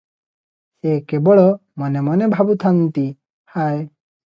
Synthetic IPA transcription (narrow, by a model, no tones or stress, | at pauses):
ekebɔɭɔmɔnemɔnebʱabut̪ʰant̪i | haj